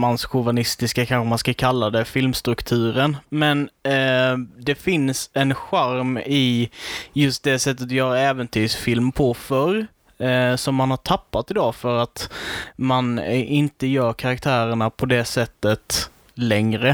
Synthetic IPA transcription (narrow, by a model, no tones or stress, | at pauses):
mansɧʊvanɪst̪ɪskakʰanɧəmanskakʰalːad̪ɛfɪlmst̪ɾɵkt̪ʰʉ̟ːɾənmɛn | d̪ɛfɪnsɛnɧaɾmɪ | jɵst̪̚d̪ɛsɛt̪ːət̪jœːɾaɛːvənt̪ʰyːʂfɪlmpʰɔfœɾ | sɔmːanhaʈʰapːat̪ɪd̪ɑːfœɾat̪manʔɪnt̪əjœːɾkʰaɾak̚t̪ʰæːɾəɳapʰɔd̪ɛsɛt̪ːət̪ | lɛŋɾə